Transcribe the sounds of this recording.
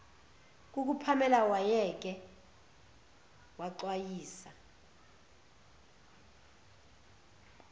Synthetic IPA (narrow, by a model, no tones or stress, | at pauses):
k̬ʼuk̬upʰamɛlawajɛk̬ʼɛ | waǀwajiːsa